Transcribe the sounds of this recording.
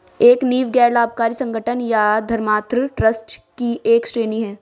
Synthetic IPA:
eːkniːʋɡɛːɾlaːbʱkaːɾisɐ̃ŋɡʱəʈʰənjad̪ʱɐɾmaːt̪ɾəʈɾəsʈkiʔeːkʃɾeːniɦɛː

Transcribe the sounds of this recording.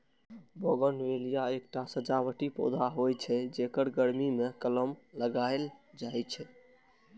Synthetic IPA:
boɡənʋelijaekʈasəd͡ʒaʋəʈipo̰d̪ʱaɦojt͡ʃʰɛd͡ʒekəɾɡəɾmimekələmləɡaeld͡ʒajt͡ʃʰɛ

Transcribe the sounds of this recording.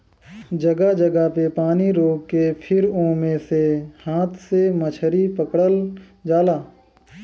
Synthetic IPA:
d͡ʒəɡad͡ʒəɡapepaːniɾoːkkːepʰɪɾõːmẽsehaːt̪ʰsemət͡ʃʰəɾipəkɽəl | d͡ʒaːlaː

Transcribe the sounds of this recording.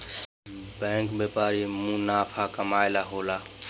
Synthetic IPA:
bɛ̃ːŋkbepaːɾimũnaːpʰakəmaːjlaɦoːla

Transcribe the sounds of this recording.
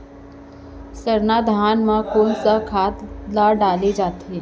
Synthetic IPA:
səɾnad̪ʱaːnmãkoːnsakʰaːt̪laːɖaːled͡ʒaːt̪eɦɛ̃ː

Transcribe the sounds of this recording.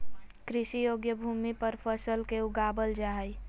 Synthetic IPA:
kɾisijoɡjəbʱumipəɾpʰəsəlkeuɡabəld͡ʒaɦəj

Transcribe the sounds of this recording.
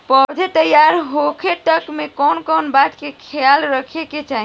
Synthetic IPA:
pɔd̪ʱet̪əjaɾɦokʰeʈəkmekɔnkɔnbat̪kekʰejalɾəkʰeket͡ʃaɦi

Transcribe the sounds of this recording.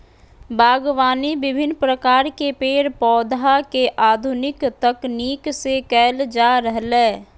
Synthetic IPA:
baːɡwaːnibɪbʱɪnːpɾəkaːɾkepeːɾpɔːd̪akeʔaːd̪ʱʊnɪkt̪əkniːksekɛːld͡ʒaːɾəɦlẽː

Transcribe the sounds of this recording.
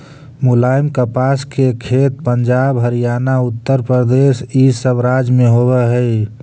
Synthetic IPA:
mulaːjmkəpaskekʰet̪̚pənd͡ʒabɦəɾijaːnaʊt̪ːəɾpɾəɾd̪esisəbɾad͡ʒmẽɦobɛɦəɪ

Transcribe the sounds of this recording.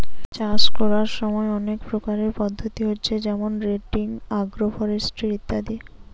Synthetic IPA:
t͡ɕaskɔɾaɾʃɔmɔeɔnekpɾokaɾeɾpɔd̪ʱːot̪iɦotːɕʰed͡ʑɛmonɾeʈiŋaɡɾofɔɾesʈɾit̪ːad̪i

